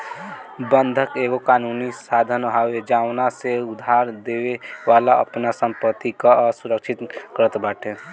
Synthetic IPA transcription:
bə̃nd̪ʱəkeːɡokaːnuːnisaːd̪ʱənɦawed͡ʒaːʋnaseʊd̪ʱaːɾd̪eːweʋaːlaə̰pnasə̃mpət̪ikasʊɾəkʃʰɪt̪kəɾət̪bɛːʈʰe

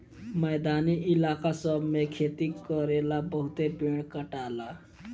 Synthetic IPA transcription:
məjd̪aniːʔilakasəbmekʰet̪iːkəɾelabəɦut̪epiɳkəʈala

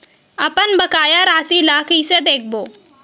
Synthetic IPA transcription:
ɐpənbɐkaːjaɾaːsilaːkised̪eːk̚ʰboː

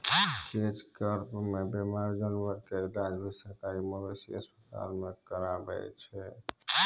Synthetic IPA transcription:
ked͡ʒkəɾpmebemaɾd͡ʒənʋəɾked̪ãd͡ʒbʱisək̪aiməbesḭə̰spət̪a̰lmekəɾabɛ̰t͡ʃʰɛ

